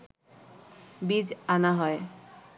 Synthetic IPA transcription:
bid͡ʑanaɦɔe

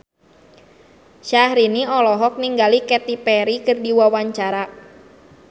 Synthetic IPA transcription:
ʃahɾiniɔlɔɦɔk̚niŋɡalikɛt̪ipɛɾikɨrdiwawaɲt͡ʃaɾa

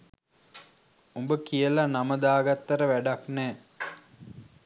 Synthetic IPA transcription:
umbəkijəlanaməd̪aːɡat̪ːɐɾəʋæɖaknɛː

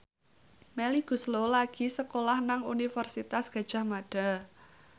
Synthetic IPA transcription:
meliɡ̥ṳslolaɡ̥i̤səkolahnaŋunifərsit̪asɡ̥ä̤d̥ʒ̥a̤hmaɖ̥a̤

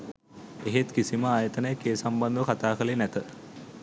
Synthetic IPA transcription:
eɦet̪kisiməaːjət̪ənəjəkeːsamband̪ʋəkat̪aːkəlenæt̪ə

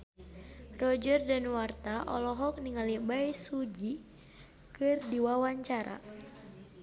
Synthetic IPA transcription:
rɔd͡ʒərdanwart̪aʔɔ̰lɔɦɔk̚niŋalibajsud͡ʒi | kɨrdiwawaɲt͡ʃaɾa̰

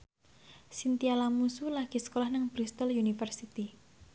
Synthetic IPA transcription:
sint̪ialamusulaɡ̥i̤sə̥kolahnəŋb̥ɾist̪əljunifərsit̪i

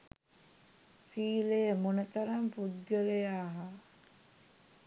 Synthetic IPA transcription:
siːlejəmunət̪ɐɾampud̪̚ɡəlejaːɦa

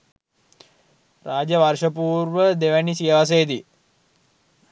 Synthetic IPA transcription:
raːd͡ʒəʋarʂəpuːɾʋəd̪eʋænisijəʋas̬ejəd̪i

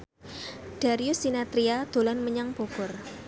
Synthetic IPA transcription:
d̥a̤ɾiʊsːinat̪ɾiad̪̥o̤lanməɲaŋb̥okʊr

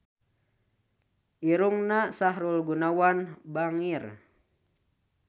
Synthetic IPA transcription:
ʔiɾuŋnasaɦɾulɡunawanbaŋir

